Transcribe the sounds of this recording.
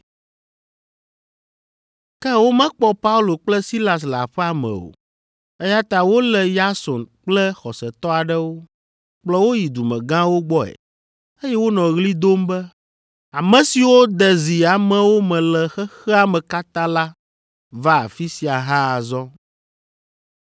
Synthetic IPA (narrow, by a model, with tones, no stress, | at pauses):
kɛ˦wo˦mɛ̃˦k͡pɔ˦pa˦u˦lo˨k͡plɛ˦si˦la˨s̬la̰˨ɸɛ˦a˨mɛ̰̃˨o̰˨ | ɛ˦ja˦t̪a˨wo˦lɛ˨ja˦sɔ˨nk͡plɛ˦xɔ˨sɛ˨t̪ɔ˦a˨ɖɛ˦wo˦ | k͡plɔ˦wo˦ji˨d̪u˨mɛ̰̃˨ɡã˦wo˦ɡ͡bɔ˦ɛ̰˨ | e˦jɛ˦wo˦nɔ̃˨ɣli˦d̪o˦mbɛ˦ | a˨mɛ̃˨si˨wo˦d̪ɛ˨zi˨a˨mɛ̃˦wo˦mɛ̃˨lɛ˨xɛ˦xɛ˦a˨mɛ̃˨ka˦t̪ã˦la˦ | va˦a˨fi˦si˨a˨ɦã˦a˨zɔ˦